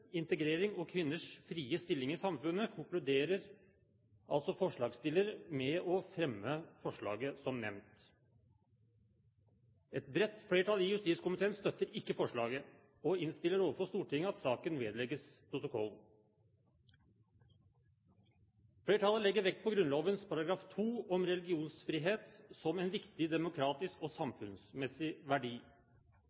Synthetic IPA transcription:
ɪnt̪əɡɾeːɾɪŋɔkʰʋɪnːəʂfɾiːəst̪ɪlːɪŋɪsɑmfʉnəkʰʊŋklʉd̪eːɾəɾ | ʔɑ̰lt̪sɔfɔʂɭɑːɡst̪ɪlːəɾəmɛɔfɾɛmːəfɔʂɭɑ̰ːɡəsɔmnɛ̰ʋnt̪ | ɛt̪bɾɛt̪ːfɽeːʈʰɑlɪjʉst̪iːskʊmɪt̪ʰeːənst̪œt̪ːəɾɪkːəfɔʂɭɑːɡə | ɔɪnst̪ɪlːəɾoːʋəɾfɔst̪uːʈʰɪŋːəɑt̪sɑːkənʋeːd̪əlɛɡːəspʰɾʊt̪ʊkʰɔl | fɽeːʈʰɑlːəlɛɡːəɾʋɛkt̪̚pʰɔɡɾʉnloːʋənspʰɑɾɑɡɾɑːft̪ʰuːɔmɾɛlɪɡɪuːnsfɾiːɦeːt̪sɔmɛnʋɪkt̪ɪd̪ɛmʊkʰɾɑːt̪ɪskɔsɑmfʉnsmɛsɪʋæɖiː

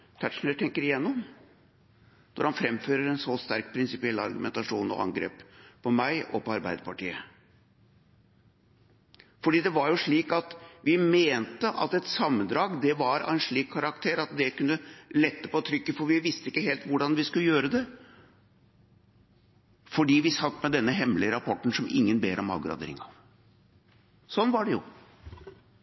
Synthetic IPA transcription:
t̪ʰæʈʂn̩æt̪ʰɛŋkəɾɪjɛnːɔm | nɔ̰ɾhɑnfɾɛmføːɾəɾɛnsɔst̪æɾkpʰɾɪnsɪpɪɛlːɑ̰ɾɡʉmɛnt̪ɑʂuːnɔ̰ɑ̰ŋɡɾḛːppʰɔmæɪʔɔ̰pɔɑɾbæɪd̪əpɑʈḭːə̰ | fɔɖiːd̪ɛʋɑɾjʊʂɭiːkɑt̪ʋɪmeːnt̪əʔɑt̪ɛt̪sɑmːənd̪ɾɑːɡd̪ɛʋɑɾɑ̰ɛnʂɭiːkʰːɑɾɑkt̪ʰeːɾɑt̪d̪ɛkʉnːəlɛt̪ːəpot̪ʰɾʏkːəfɔɾʋɪʋɪst̪əɪkːəheːlt̪ʋʊɖɑnʋɪskʉləjøːɾəd̪ɛ | fɔɖiːʋɪsɑt̪ːmɛd̪ɛnːəɦɛmːlɪəɾɑpʰɔʈːɳ̩sɔmɪ̰ŋːənbeːɾɔmɑ̰lɡɾɑ̰d̪ḛɾɪ̰ŋɑ̰ʋ | sɔnːʋɑɖɛjʊ̰

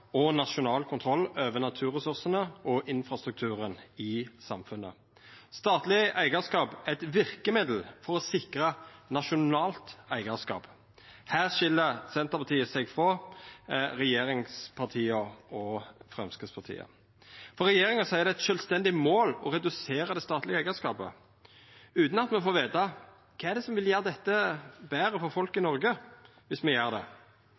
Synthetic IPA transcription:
ɔnɑʃʊnɑːlkʰʊnt̪ʰɾɔlːøːʋənɑt̪ʰʉːʁəsʉʁsənəʔɔʔɪnfɾɑst̪ʁʉk̚t̪ʰʉːɾənɪsɑmfʉnːə̰ | st̪ɑːt̪lɪʔæɪɡəskɑːpæɪt̪ʋɪʁkəmɪd̪l̩fɔɾɔsɪkʁənɑʃʊnɑːlt̪æɪɡəskɑ̰ːp | hæːʁʃɪlːəʁsɛnt̪əʁpʰɑt̪ʰiːəsɛɡfʁɔ | ʁɛjeːɾɪŋspʰɑʁt̪ʰiːəɔfʁɛmskəspʰɑʁt̪ʰḭːə̰ | fɔʁɛjeːʁɪŋɑsɔæɪd̪ɛɛt̪ʃœlst̪ɛnd̪ɪmoːlɔɾɛd̪ʉseːɾəd̪ɛst̪ɑːt̪lɪɡəæɪəskɑːpə̰ | ʉːt̪n̩ɑt̪mɛfoːʋeːt̪ɑ | kʰɑːæɖ̪ɛsɔmʋɪljæːʁd̪ɛt̪ːəbæːʁəfɔɾfɔlkɪnɔɾɡə | ʋɪsmɛjeːʁd̪ɛ̰

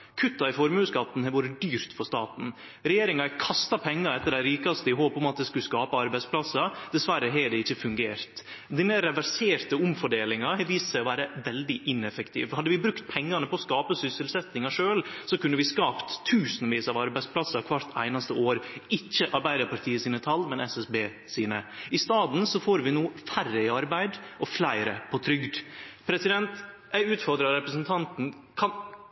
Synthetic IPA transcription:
kʰʉt̪ːɑɪfɔɾmʉːskɑt̪n̩hɛʋuːɾəd̪yːɾt̪fɔst̪ɑːt̪n̩ | ɾɛjeːɾɪŋɑkʰɑst̪ɑpʰɛŋːɑɾɛt̪ːəɖæɪɾiːkɑst̪əɪɦoːpɔmɑt̪̚d̪ɛskʉskɑːpɑɑɾbæɪspʰlɑsɑd̪ɛsʋæɾəɦɛɖɛɪçːəfʉŋɡeːɾt̪ | d̪ɪneɾɛʋæɾseːɾt̪əʊmfɔɖeːlɪŋɑhɛʋiːssæɪɔʋæːɾəʋɛld̪ɪʔɪnɛfəkt̪ʰḭːʋhɑd̪ːəʋɪbɾʉkt̪̚pʰɛŋːɑnəpʰɔɔskɑːpəsʏsəlsɛt̪nɪŋɑʂøːlsɔkʉnːəʋɪskɑːpt̪ʰːʉːsnʋiːsɑʋɑɾbæɪdsplɑsɑkʰʋɑɾt̪ʰæ̰ɪnɑst̪əoːɾɪçːəʔɑɾbæɪd̪əpʰɑɾt̪ʰiːəsiːnət̪ʰɑlmɛnɛsɛsbeː | siːnəɪst̪ɑːd̪n̩sɔfoːɾʋɪnoːfærəɪɑɾbæɪd̪ʔɔflæɪɾə̰pʰɔt̪ʰɾʏɡd̪pʰɾɛsɪd̪ɛnt̪ | jæɪʉːt̪fɔɾd̪ɾɑɾɾɛpɾəsnt̪ʰɑnt̪n̩ | kʰɑn

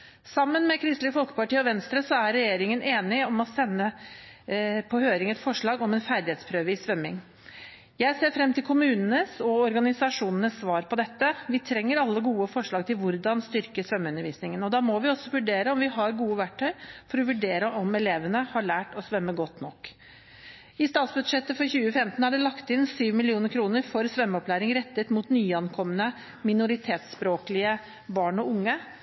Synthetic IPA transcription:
sɑmːənmɛkʰɾɪst̪lɪəfɔlkə̥pɑʈiːɔʋɛnst̪ɾəsɔæɾːɛjeːɾɪŋənʔeːnɪɔmɔsɛnːə | pʰɔhøːɾɪŋɛt̪fɔʂɭɑːɡɔmɛnfæɾd̪ɪheːt̪spʰɾøːʋəɪsʋœmːɪŋ | jæɪseːɾfɾɛmːt̪ʰɪlkʰʊmʉːnənəsɔɔɾɡɑnɪsɑʂuːnənəsːʋɑːɾpʰɔd̪ɛt̪ːəʋɪt̪ʰɾɛŋːəɾɑlːəɡuːəfɔʂɭɑːɡ̚t̪ʰɪlʋʊɾd̪ɑnst̪ʏɾkəsʋœmːəʉnəɾʋiːsnɪŋənɔd̪ɑːmɔʋɪɔsːɔʋʉɖeːɾəɔmʋɪɦɑɾɡuːəʋæʈʰːœʏfɔɾɔʋʉɖeːɾəʔɔmɛleːʋənəhɑɭæːʈɔsʋɛmːəɡɔt̪ːnɔkː | ɪst̪ɑːt̪sbʉd̪ʂɛt̪ːəfɔɾçʉːəfɛmt̪n̩æɖɛlɑkt̪ɪnsyːʋmɪlɪuːnəɾkʰɾuːnəɾfɔɾsʋœmːəɔplæːɾɪŋɾɛt̪ːət̪muːt̪nyːɑnkʰɔmːənə | mɪnʊɾɪt̪ʰeːt̪spɾoːklɪə | bɑːɳɔʊŋːə

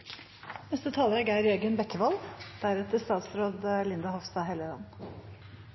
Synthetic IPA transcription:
nɛst̪ət̪ʰɑːləɾəɡæɪɾeːɡənbɛkːəʋɑld̪̥æɾɛt̪əst̪ɑːt̪sɾoːd̪lɪnd̪ɑhɔʋst̪ɑːɦɛləlɑ̰n

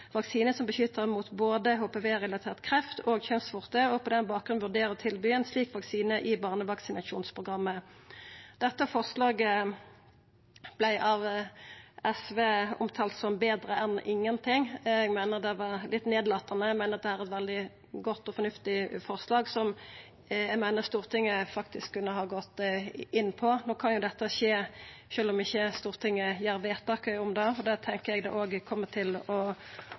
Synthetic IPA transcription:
ʋɑksiːnəsɔmbəʃʏt̪ːəʁmuːt̪boːd̪əɦoːpeʋeːʁɛlɑt̪ʰeːʁt̪kʰʁɛft̪ʰoːɡçɛnsfʊʁt̪əɔpʰɔd̪ɛnbɑːkɡʁʉnʋʉʁd̪eːɾəɔt̪ʰɪlbyːɛnsliːkʋɑksiːnəʔɪbɑːʁnəʋɑksɪnɑʃuːnspʰʁʊɡʁɑmːə | d̪̥ɛt̪ːəfɔʁslɑːɡə | b̥læɪʔɑʋ | ɛsʋeːʊ̰mt̪ʰɑːlt̪sɔmbeːd̪ʁəʔɛnʔɪŋːənt̪ʰɪŋɛɡmæɪnəʁd̪ɛʋɑɾlɪt̪ːneːd̪lɑːt̪ːɑnəɛmæɪnəɑt̪̚d̪ɛhæːɾɛt̪ʋɛld̪ɪ | ɡɔt̪ːɔfɔnʉft̪ɪfɔʁslɑːɡsɔm | jɛɡmæɪnəʁst̪uːʁt̪ʰɪŋːəfɑk̚t̪ɪskʰːʉnːəɦɑːɡɔt̪ːɪnːpʰɔnoːkʰɑnjʊd̪ɛt̪ːəɕeːʃøːlɔmɪçːəst̪uːʁt̪ʰɪŋːəjæːɾʋeːt̪ʰɑːkəɔmd̪ɑːɔd̪ɛt̪ʰɛŋkəɾɛɡd̪ɛ̰ʔoːɡkʰɔmːət̪ʰɪlɔ

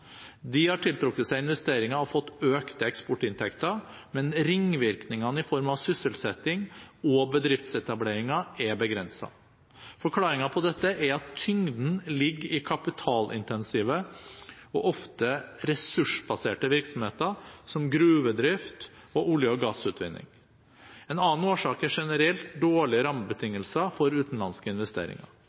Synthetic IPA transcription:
d̪ɪhɑʈʰɪlt̪ʰɾʊkːət̪sæɪɪnʋɛst̪eːɾɪŋɑɔfɔt̪ːøːkt̪əɛkspɔʈːɪnt̪ʰɛkt̪əɾ | mɛnɾɪŋʋɪɾknɪŋɑnəɪfɔɾmɑʋsʏsəlsɛt̪ːɪŋɔbəd̪ɾɪft̪sɛt̪ɑbleːɾɪŋɑɛbəɡɾɛnsɑ̰ | fɔɾkʰlɑːɾɪŋɑpʰɔd̪ɛt̪ːəʔæɾɑt̪ʰːʏŋd̪n̩lɪɡːɾɪkʰɑpɪt̪ʰɑːlʔɪ̰nt̪ɛnsiːʋə | ɔ̰ʔɔft̪əɾɛsʉʂbɑseːʈəʋɪɾksɔmheːt̪əsɔmɡɾʉːʋəd̪ɾɪft̪ɔʔʊljəɔɡɑsʉːt̪ʰʋɪ̰nːɪ̰ŋ | ɛnɑːnoːʂɑːkɛʂɛnəɾɛlt̪̚d̪oːɭɪɾɑməbət̪ʰɪŋːəlsəfɔɾʉːt̪n̩lɑnskəɪnʋɛst̪ḛːɾɪ̰ŋɑ̰ɾ

